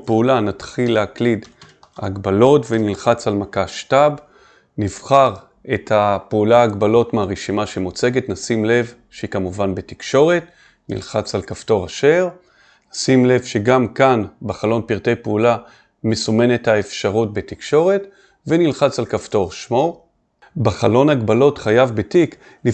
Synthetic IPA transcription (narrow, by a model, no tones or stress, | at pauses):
peulanat̪χilːeaklid | a̰ɡbalo̞tvenilχat͡salmakaʃtab | niv̥χaʁ | ethapeulaːɡbalo̞tmeaʁeʃimaʃemot͡se̞ɡetnasimle̞v | ʃehikamuvanbe̞ti̥kʃo̞ʁe̞t | nḭlχat͡salkafto̞ʁaʃe̞ʁ | nasimle̞vʃeɡamkanbeχalo̞npiʁte̞jpeula | mesome̞nethaefʃaʁut̚betikʃo̞ʁe̞t | venilχat͡salkafto̞ʁʃmo̞ʁ | beχalo̞naɡbalo̞tχajavbetik | ni